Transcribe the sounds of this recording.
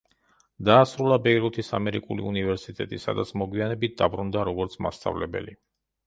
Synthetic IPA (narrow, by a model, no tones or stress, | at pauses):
d̪̥aːsɾulˠabɛjɾut̪ʰisa̰mɛɾikʼulḭunivɛɾsit̪ʼɛt̪ʼisa̰d̪at̪sʰmɔɡwianɛbit̪̚ʰd̪abɾund̪aɾɔɡɔɾt̪sʰma̰st̪ʼa̰vlɛbɛ̰li